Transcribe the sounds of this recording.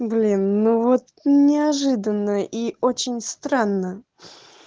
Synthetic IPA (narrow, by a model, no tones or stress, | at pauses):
blʲinːuvot̪nʲɪɐʐɨd̪ənːəʔiot͡ɕɪnʲst̪ɾanːə